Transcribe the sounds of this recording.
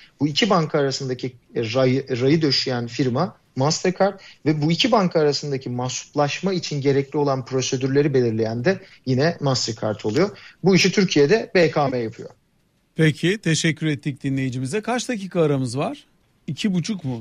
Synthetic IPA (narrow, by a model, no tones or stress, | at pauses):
buicʰibaŋkʰaːɾasɯnd̪acʰiɾajɾajɯd̪ø̞ʃyjænfiɾma | mast̪ʰɛɾkʰaɾt̪vɛbuicʰibaŋkʰaːɾasɯnd̪acʰimasu̥plˠaʃmait͡ʃʰinɟe̞ɾɛclʲio̞lˠanpɾo̞se̞d̪yɾlʲe̞ɾibe̞lʲiɾlʲejænd̪ɛ | jinɛmast̪eɾkʰaɾt̪ʰo̞lˠujo̞buiʃit̪ʰyɾcʰijed̪ɛbekʰaːmɛjapʰɯjo | pʰecʰit̪ʰe̞ʃɛcʰːyɾɛt̪ʰːic̚d̪inlʲe̞jid͡ʒimizd̪ɛkʰaɾt͡ʃd̪aciːkʰaːɾamɯzvaɾ̥ | icʰibut͡ʃʰukmʊ